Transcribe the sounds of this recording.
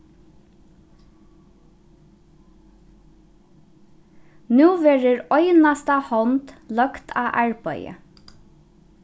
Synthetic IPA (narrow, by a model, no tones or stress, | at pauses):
nuːʋeːɹəɹœʏnɑst̪ɑhɔnt̪lœkt̪ʰɑ̰ːʔɑɹbœʏə̰